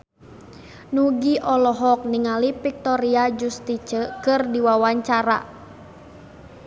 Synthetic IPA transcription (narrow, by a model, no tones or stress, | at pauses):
nuɡiʔɔlɔɦɔk̚niŋalipik̚t̪ɔɾiad͡ʒust̪it͡ʃəkɨrdiwawaɲt͡ʃaɾa̰